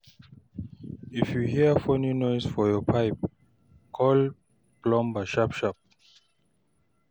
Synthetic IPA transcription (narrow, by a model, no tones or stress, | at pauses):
ifjuhiəfɔnunɔjsfɔjɔpʰaɪp̚ | kʰɔl | b̥lɔ̃mbaʃapʃap̚